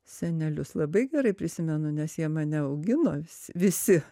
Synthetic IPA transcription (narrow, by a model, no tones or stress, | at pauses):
sʲɛnʲɛlʲʊslˠɐbɐɪɡʲɛɾɐɪpʲɾʲɪsʲɪmʲɛnʊnʲɛsjiɛmɑːnʲɛɐʊɡʲɪnoːʋʲɪsʲʋʲɪsʲɪ